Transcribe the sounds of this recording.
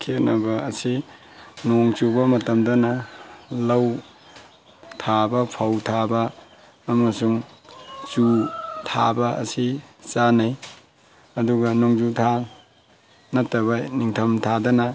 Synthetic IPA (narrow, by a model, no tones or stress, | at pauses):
kʰenɐbɐːsi | noŋt͡ʃubɐmɐtɐmdɐnɐlɐw | tʰabɐpʰawtʰabɐː | mɐsuŋ | t͡ʃutʰabɐʔɐ̰sit͡ʃanaj | ɐduɡɐnoŋd͡ʒutʰa | nɐtːɐbaniŋtʰɐmtʰadɐnɐ